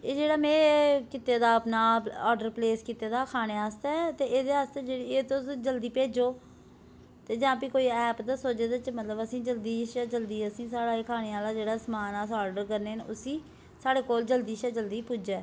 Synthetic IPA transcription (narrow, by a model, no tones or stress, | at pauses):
eːd͡ʒeːɽaːmɛ̃ːkɪt̪ːeːd̪aːəpnaːɔːɖəɾpleːskɪt̪ːeːd̪aːkʰaːneːaːst̪at̪eːʔeːd̪eːaːst̪eːd͡ʒeːɽieːt̪õd͡ʒəld̪iːpeːd͡ʒoː | t̪eːd͡ʒãːpiːkoːiːɛːpd̪aːsoːd͡ʒeːd̪at͡ʃmət̪ləbəsĩːd͡ʒəld̪iːʃaːd͡ʒəld̪iːəsĩːsaːɽaːekʰaːneːaːlaːd͡ʒeːɽaːsəmaːnaːsɔːɖəɾkəɾneːnʊsĩː | saːɽeːkoːld͡ʒəld̪iːʃaːd͡ʒəld̪iːpʊd͡ʒɛː